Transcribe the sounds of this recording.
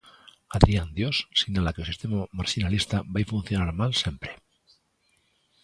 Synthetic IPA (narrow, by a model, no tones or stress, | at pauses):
aðɾiand̪jossiɣnalakeosist̪emamaɾʃinalist̪abajfun̟θjo̞naɾmalsjempɾe